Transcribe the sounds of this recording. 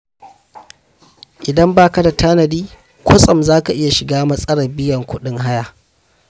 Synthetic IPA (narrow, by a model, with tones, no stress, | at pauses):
ʔɪ˨dɐ˦mbaː˦kɐ˦da˨tʰaː˦nɐ˨diː˦ | kʷo˦sʼɐ˨mzaː˦ka˨ʔɪ˦ja˨ʃɪ˨ɡaː˦mɐ˦sʼɐ˦ɽɐ˨bɪ˦jɐ˨ŋkʷʊ˦ɗɪ˦ŋɦa˦jaː˦˨ʔ